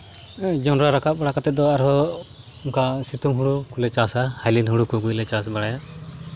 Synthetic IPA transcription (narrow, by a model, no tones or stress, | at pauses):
d͡ʒɔnɾaɾakat̪̚baɽakat̪ɛt̪̚d̪ɔaɾɦɔ | uŋkasit̪umɦuɽukulɛt͡ʃasahajlinɦuɽukuɡujlɛt͡ʃasbaɽajaʔ